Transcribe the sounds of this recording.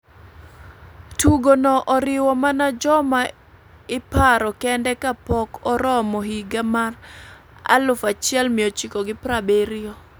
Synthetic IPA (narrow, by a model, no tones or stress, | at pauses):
tuɡonɔʔɔɾɪwɔmanad͡ʒɔma | ɪpaɾɔkɛndɛkapɔkɔɾɔmɔhiɡamar | a̰lʊfat͡ʃɪɛlmɪɔt͡ʃikɔɡɪpɾabeɾɪjɔ